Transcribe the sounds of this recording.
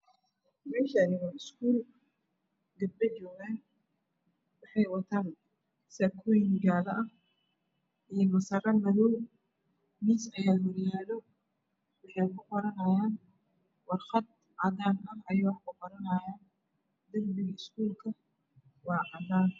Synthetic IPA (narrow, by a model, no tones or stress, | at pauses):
mɛːʃɐːnɪɣɐɪskʰuːl | ɡɐbbɛt͡ʃɔːɣaːn | wɑħɑjwɑt̪ʰaːn | sɐkʰɔjɪŋɡaːðɐʔɐh | ʔijmɐsɐrɐmɐðɔw | miːsɐjaːd̪wɐɾɪjaːlɔ | wɑħɑjkʊqɔɾɐnɐjaːn | wɑrqɑd̪̚ | ʕɑd̪aːnʔɐɦɐjaːwħkʊqɔɾɐnɐjaːn | d̪ɐmbɪɣɐɪskʰuːlkʰɐ | wɑːʕɑd̪aːn